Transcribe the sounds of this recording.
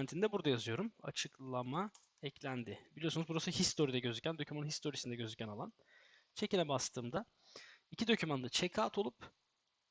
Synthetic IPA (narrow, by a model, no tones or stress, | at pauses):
nt̪ʰind̪ɛbuɾd̪ajazɯjo̞ɾuma̰t͡ʃʰɯklˠama | ɛclʲænd̪ɪbilʲiosunuzbuɾasuhist̪ʰo̞ɾid̪ɛɟø̞zycʰʲænd̪o̞cʰymanɯnɦist̪o̞ɾisind̪ɛɟø̞zycʰʲænalˠan | t͡ʃʰe̞cinɛbast̪ʰɯːmd̪a | icʰid̪o̞cʰymand̪at͡ʃʰekʰaːt̪ʰo̞lˠup